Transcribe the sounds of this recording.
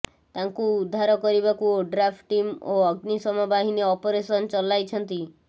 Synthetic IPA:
t̪aŋkuːd̪ʱːaɾɔkɔɾibakuɖɾapʰʈʈimoɔɡnisɔmɔbaɦineɔpoɾesɔnt͡ʃɔlajt͡ʃʰɔnt̪i

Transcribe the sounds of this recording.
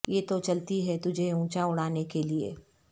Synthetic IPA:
jeːt̪ot͡ʃɐlt̪iɦɛt̪ʊd͡ʒʱeũːt͡ʃaʊɽ̤aːnekeliḛː

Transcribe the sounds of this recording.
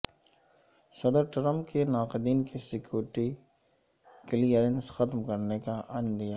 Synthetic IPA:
sɐd̪əɾʈɾə̃mpkenaːqɪd̪iːnkesɪkjoːɾɪʈi | kɪliəɾensxɐt̪mkɐɾnekaʔɐnd̪ijaː

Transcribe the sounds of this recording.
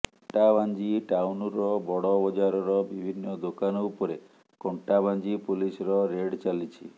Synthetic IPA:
ʈaband͡ʒiʈawnɔɾɔbɔɽɔbɔd͡ʒaɾɔɾɔbibʱinːɔd̪okanɔupɔɾe | kɔɳʈaband͡ʒipulisɔɾɔɾeɽt͡ʃalit͡ʃʰḭ

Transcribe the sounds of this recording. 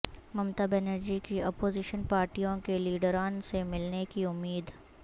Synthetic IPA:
mɐmt̪əbɛnəɾd͡ʒikiɔːpoːziʃənpaːɾʈijõkeliːɖəɾaːnsemɪlnekiʊmːiːd̪

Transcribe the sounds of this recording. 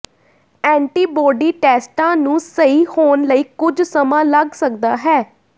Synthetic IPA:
ɛ̃ːɳʈiːbɔːɖiːʈɛːsʈãːnũːsəiːhoːnləiːkʊd͡ʒsəmãːləɡsək̚d̪aːɦɛː

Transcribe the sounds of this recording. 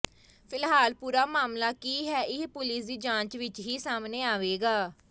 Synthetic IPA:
pʰɪlɦaːlpuːɾaːmaːmlaːkiːɦɛːʔɪpʊlɪsd̪iːd͡ʒãːɲt͡ʃʋɪt͡ʃɦiːsaːmneːaːʋeːɡaː

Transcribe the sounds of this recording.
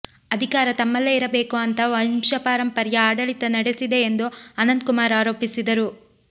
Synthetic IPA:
ɐd̪ʱikaːɾɐt̪ɐmːɐlːeiɾɐbe̞ːkuɐnt̪ɐʋɐmʃɐpaːɾɐmpɐɾjɐaːɖɐɭit̪ɐnɐɽesid̪e̞ːnd̪uɐnɐnd̪̚kumaːɾaːɾo̞ːpisid̪ɐɾu

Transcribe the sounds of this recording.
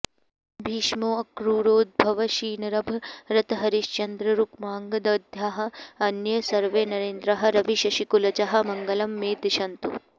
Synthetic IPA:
bʱiːʃmoːɐkɾuɾoːd̪̚bʱɐʋɐʃiːnɐɾɐbʱɾɐt̪ɐɦɐɾiʃt͡ʃɐnd̪ɾɐɾukmaːŋɡɐd̪ɐːd̪ʱjaːɦɐ̆ɐnjɐsɐɾʋeːnɐɾeːnd̪ɾɐɦɐ̆ɾɐʋiʃɐʃikulɐt͡ʃɐɦɐ̆mɐŋɡɐlɐmːeːt̪ʃɐnt̪ṵ

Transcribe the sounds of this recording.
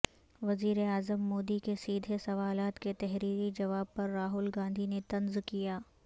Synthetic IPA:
ʋɐziːɾeaːzəmːoːd̪ikesiːd̪ʱesɐʋaːlaːt̪ket̪ɛɦɾiːɾid͡ʒɐʋaːb̚pɐɾːaːɦʊlɡãːnd̪ʱinet̪ɐ̃nzkijaː

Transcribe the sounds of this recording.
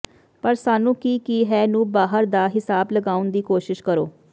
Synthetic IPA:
pəɾsaːnũːkiːkiːɦɛːnũːbaːɦəɾd̪aːɦɪsaːbləɡaːʊnd̪iːkoːʃɪʃkəɾo̰ː

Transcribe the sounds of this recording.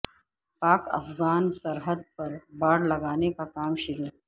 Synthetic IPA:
paːkɐ̰fɣaːnsɐɾɦəd̪̚pɐɾbaːɽlɐɡaːnekakaːmʃɪɾuː

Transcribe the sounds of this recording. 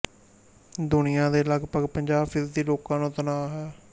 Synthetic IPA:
d̪ʊnɪjãːd̪eːləɡpəɡpəɲd͡ʒaːpɪzd̪iːloːkãːnũːt̪ənaːɦɛː

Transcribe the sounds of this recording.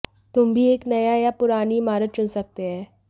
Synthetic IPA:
t̪ʊmbʱieːknɐjajapʊɾaːnimaːɾət̪̚t͡ʃʊnsɐk̚t̪eɦɛ̃ː

